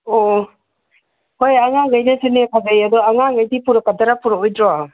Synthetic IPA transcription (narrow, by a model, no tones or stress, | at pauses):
o | hojaŋaŋajnasenekʰazajadɔaŋaŋajdipuɾakadaɾapuɾɔojdɾɔa